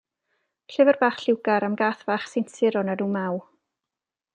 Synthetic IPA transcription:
ɬɨvɛrbaːχɬɪwɡaɾamɡaːθvaːχsɪntʰɪɾɔnaduːmaw

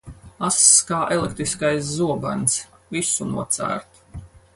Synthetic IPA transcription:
asːkaːʔɛlˠek̚t̪ɾiskajs̬zuɔba̰nsvisunṵɔt̪sæ̰ːɾt̪

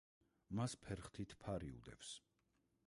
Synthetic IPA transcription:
maspʰɛɾχt̪ʰit̪ʰpʰaɾiṵd̪ɛ̰vs

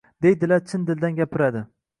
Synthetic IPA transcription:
d̪ejd̪ɪlaɾt͡ʃʰɪnd̪ɪld̪anɡʲapʰɪɾad̪ɪ

